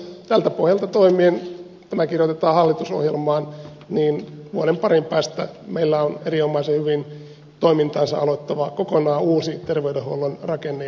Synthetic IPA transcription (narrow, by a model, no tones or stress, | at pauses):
t̪ælt̪æpohjɑlt̪ɑt̪oimiːn | t̪æmækirjot̪et̪ɑːhɑlːit̪uso̰hjelmɑːn | niːnʋuoɾempɑrimpæːst̪æ̰meilːæoneɾiomɑisehyʋin | t̪oimint̪ɑːnsɑ̰ʔɑlot̪ːɑʋɑkokonɑːuːsit̪erʋeydehuolːonrɑkenːe